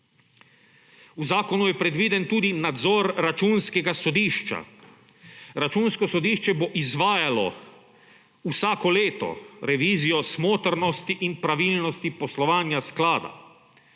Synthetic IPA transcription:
uzaːkɔnujɛpɾɛd̪ʋiːd̪ɛnt̪uːd̪inad̪zɔɾːat͡ʃuːnskɛɡasɔd̪iːʃt͡ʃa̰ | ɾat͡ʃuːnskɔsɔd̪iːʃt͡ʃɛboʔizʋaːjalɔ̰ | usaːkɔleːt̪ɔ̰ɾɛʋiːzijɔsmoːt̪əɾnɔst̪iʔinpɾaʋiːlnɔst̪ipɔslɔʋaːnjasklaːd̪a̰

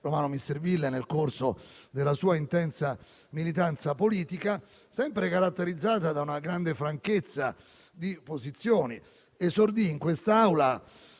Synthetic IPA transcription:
romaːnomist̪ervilːenelkorsod̪elːasuːaint̪ɛnt̪sa | milit̪ant̪sapoliːt̪ika | sɛmpɾekaɾat̪ːeɾid̪zːaːt̪ad̪aunaɡɾand̪efɾaŋket̪sːa̰ | d̪ipozit̪sːjɔːni | esːord̪iːŋkwest̪aawla

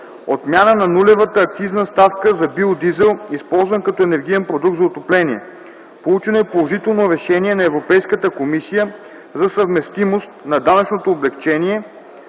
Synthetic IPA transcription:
ot̪mʲjanənɐnulɛvət̪əːk̚t̪iznəst̪afkəzɐbiod̪izɛlˠispɔlˠzvənkɐt̪ɔɛnɛɾɡ̟ijɛnpɾod̪uk̚t̪zɐot̪oplɛniɛ | polˠut͡ʃɛnoɛpolˠoʒit̪ɛlˠnoɾɛʃɛniɛnɐɛvɾopɛjskət̪əkomisijə | zɐsɐvmɛst̪imost̪nɐd̪anət͡ʃnot̪oːblɛkt͡ʃɛniɛ

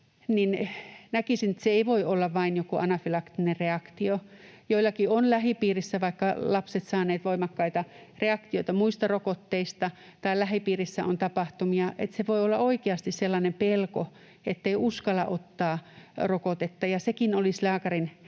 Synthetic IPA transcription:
ninnækisinĕt̪seeiʋoiolːɑʋʋɑinjokuʔɑnɑfilɑkt̪inerreɑkt̪iojoilːˑɑkionlæhipiːrisːæʋɑikːɑlɑpset̪sɑːneːt̪ʋoimɑkːɑit̪ɑ | reɑkt̪ioit̪ɑmuist̪ɑrokot̪ːeist̪ɑ | t̪ɑilæhipiːrisːæʔo̰nt̪ɑpɑht̪umiɑʔḛt̪seʋoiolːɑoikeɑst̪isselːɑnempelko | et̪ːeiʔuskɑlɑ̰ʔot̪ːɑːrokot̪et̪ːɑjɑsekinolislæːkɑrin

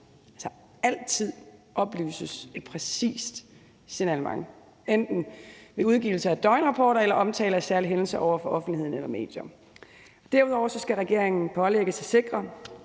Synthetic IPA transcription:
ælsɐ | æl̰t͡sʰið̰ˠʔɒ̽b̥ly̰ːsəse̥pʰʁɛsḭːsd̥ | senælmɑ̈ŋ | end̥n̩ʋe̝uð̞ˠɡ̥iʊl̩səæd̥ɒ̽ɪnʁɑ̈pʰɒ̰ːɾɐelɐʔɒ̽mt͡sʰɛ̰ːlæsæɐliɦenl̩səʔɒʊ̰ɐfɒ̽ʔɒ̽fn̩d̥lihe̝ð̰ˠn̩elɐme̝̰ːd̥jɒm | ɒ̽d̥æɐuð̞ˠɒʊɐsɒ̽sɡ̥æʁɛɡ̥e̝ɐ̰eŋn̩pʰɒ̽leɡ̥əsæse̝ɡ̥ʁɐ

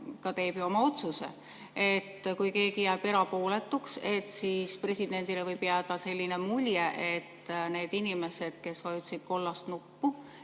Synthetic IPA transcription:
kɑt̪e̞ːb̥juo̞mɑo̞t̪suse̞̰ | e̞t̪ːkujke̞ːɡijæːb̥e̞ɾɑpo̞ːle̞t̪ːˑukse̞t̪siːspre̞sʲid̪̥e̞nd̪̥ilevɤjb̥jæːd̪̥ɑse̞lʲːinemulʲjeʔet̪ːne̞ːd̪inime̞se̞d̪̥ke̞skɑjut̪sid̪̥ko̞lːɑst̪nupːu

